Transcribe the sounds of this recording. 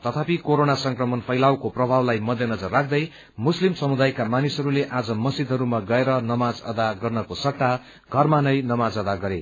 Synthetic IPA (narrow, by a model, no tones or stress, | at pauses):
t̪ʌt̪ʰapikoɾonasʌŋkrʌmʌnpʰʌjlawkoprʌbʱawlajmʌd̪ʱjʌnʌd͡zʌrːak̚ʰd̪ʌj | muslimsʌmud̪ajkamanisʌɾuleʔad͡zʌmʌsid̪ʱɦʌɾumaɡʌeɾʌnʌmad͡zʌ̰d̪aɡʌrnʌkosʌk̚ʈa | ɡʱʌrmanʌjnʌmad͡zʌd̪aɡʌɾḛ